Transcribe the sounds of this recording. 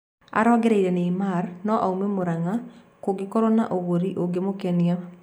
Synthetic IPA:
a̰ɾɔɡɛɾɛiɾɛneimarnɔʔaumemoɾaŋa | koɡɪkɔɾɔnaʔoɣoɾiʔoɡemokɛnia

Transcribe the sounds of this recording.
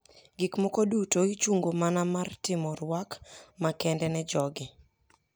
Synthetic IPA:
ɡikmɔkodutoit͡ʃuŋɡomanamartɪmɔɾwakmakɛndɛnɛd͡ʒɔɡɪ

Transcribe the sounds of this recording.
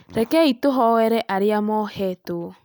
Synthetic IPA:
ɾɛkɛitoɦɔwɛɾɛʔaɾeamɔhɛto

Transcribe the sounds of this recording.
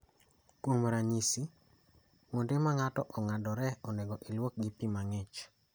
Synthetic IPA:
kwomɾaɲisi | mondemaŋatɔʔɔŋadɔɾɛɔneɡɔʔilwok̚ɡipimaŋɛt͡ʃ

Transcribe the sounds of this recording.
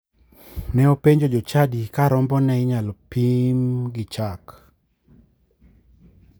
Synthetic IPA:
nɛopeɲd͡ʒod͡ʒot͡ʃadikaɾɔmbɔnɛɪɲalɔpimɡɪt͡ʃak

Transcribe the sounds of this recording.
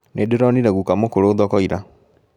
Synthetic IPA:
nʔedeɾɔniɾɛɣukamokoɾoːðɔkɔiɾa

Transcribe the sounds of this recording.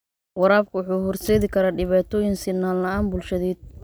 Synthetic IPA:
wɑɾaːb̚kʰʊwʊħuːɦʊrsɛːðɪkʰɐɾaːɖɪβaːt̪ʰɔːjɪŋsɪnːaːllɐaːnbuːlʃɐðɛːd̪̚

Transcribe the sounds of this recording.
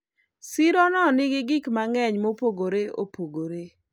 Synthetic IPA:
siɾɔnɔnɪɡɪɡɪkmaŋɛɲmopoɡoɾeo̰poɡoɾe

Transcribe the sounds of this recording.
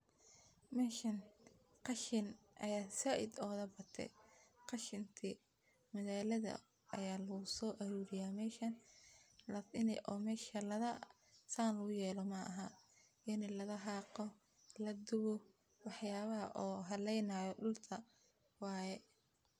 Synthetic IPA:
mɛːʃɐn | qɑʃɪn | ʔɐ̰jaːsɐʔɪd̪ɔːðɐbɐt̪ʰɛ̰qɑʃɪnt̪ʰiː | mɐɣaːlɐðɐ̰ | ɐ̰jaːlɐɣʊsɔːʔɐɾuːɾɪjaːmɛːʃɐn | lɐɪnɛ̰ʔɔːmɛːʃɐlɐðɐ | saːnlɐɣʊjɛːlɔmɐɐɦɐ | ʔɪnɛlɐðɐɦɑːqɔ | lɐd̪ʊβɔ | wɑħjaːβɐɦɐʔɔːɦɐlɛjnaːjɔɗʊlt̪ʰɐ | wɑːjɛ

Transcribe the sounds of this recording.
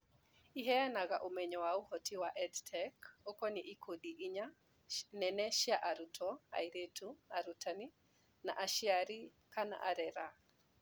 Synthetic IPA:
iɦɛanaɣaʔomɛɲɔwauhɔtiwaʔɛdtʰɛkokɔniʔikʰoɗiʔiɲa | nɛnɛʃjaʔaɾutʰɔa̰jɾetʰuaɾutʰani | na̰ʔaʃiaɾi | kana̰ʔa̰ɾɛɾa

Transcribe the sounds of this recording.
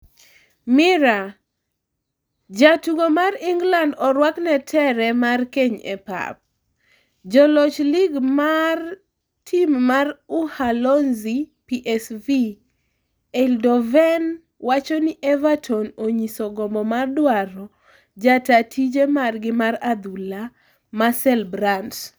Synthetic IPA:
mɪɾa | d͡ʒatuɡomariŋɡlandɔɾwaknɛtʰɛɾɛmarkeɲɛ̰pa̰p̚ | d͡ʒɔlot͡ʃliɡmar | tʰimːaruhalɔnzipiʔɛsvi | ɛldɔvɛn | wat͡ʃɔniʔɛvatʰɔnoɲisɔɡɔmbɔmardwaɾɔ | d͡ʒatatʰid͡ʒemarɡɪmaɾad̪ula | masɛlbɾans

